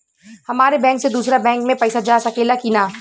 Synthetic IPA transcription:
hɐmaːɾebɛ̃ːŋksed̪uːsɾabɛ̃ːŋkmẽpɐːsad͡ʒaːsɐkeːlakinaː

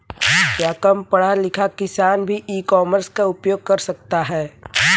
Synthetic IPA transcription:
kjaːkɐmpɐɽ̤alɪkʰakɪsaːnbʱiʔiːkɔːməɾskaʊpjoːɡ̚kɐɾsɐk̚t̪aɦɛː

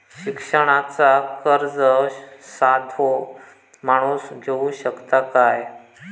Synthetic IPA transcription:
ɕikʂəɽ̃at͡sakəɾd͡zəsad̪ʱo | m̤aɽ̃uːsd͡ʑʱeuɕəkt̪akaj

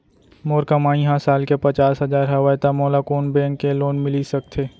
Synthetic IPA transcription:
moːɾkəmaːĩɦãsaːlkepɐt͡ʃaːsɦɐzaːɾɦɐʋajt̪amoːlakoːnbɛ̃ːŋkːeloːnmɪlisɐk̚t̪ʰeː

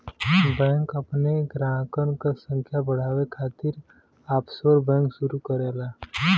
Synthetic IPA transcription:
bɛ̃ːŋkɐpneɡɾaːkənkasə̃ŋkʰjabəɽ̤aːwekʰaːt̪ɪɾ | aːpsoɾbɛ̃ːŋkʃʊɾukəɾeːlaː

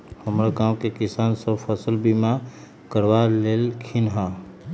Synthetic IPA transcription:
həmɾaɡãːmkekisaːnsəbpʰəsəlbima | kəɾʋaleːlkʰinɦã

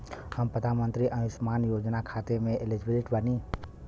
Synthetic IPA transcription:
həmpɾəd̪ʱaːnmə̃nt̪ɾiʔənʊsmaːnjoːd͡ʒnakʰaːt̪emẽʔɪlɪd͡ʒbɪlɪʈbəniː

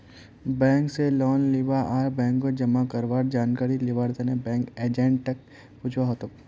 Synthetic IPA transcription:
bɛ̃ːŋkselɔːnliʋaʔaːɾbɛ̃ːŋkːod͡ʒɐmakɐɾʋaːʈd͡ʒaːnkaːɾiliʋaːɾd̪enebɛ̃ːŋkeːd͡ʒẽɳʈ̚t̪ɐk̚ | pʊt͡ʃʰʋaɦot̪ok

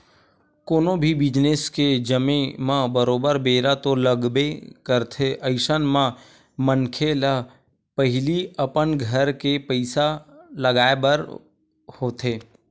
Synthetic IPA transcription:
koːnõbʱibɪd͡ʒnesked͡ʒəmẽmãbəɾoːbəɾbeːɾat̪oləɡbekəɾt̪ʰeʔəɪʃənmã | mənkʰela | pəɦɪliəpənɡʱəɾkepəɪsaləɡaːebəɾ | hoːt̪ʰeː

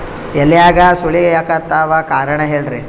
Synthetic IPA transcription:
ɛlːijaːɡɐsuɭiɡejaːkɐt̪ːaːʋakaːɾɐɳɐɦeːɭɾe

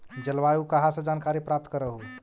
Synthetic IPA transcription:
d͡ʒəlʋajukəɦasə̃d͡ʒankaɾipɾap̚t̪kəɾəɦu

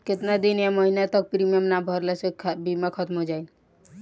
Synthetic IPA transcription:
ket̪nad̪injaməɦinat̪ɔk̚pɾimamnabʱɔɾlɛsekʰbimakʰɔt̪mɦod͡ʒaini

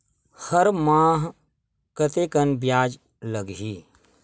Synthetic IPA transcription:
həɾmaːɦ | kət̪ekənbjaːd͡ʒ | ləɡɦiː

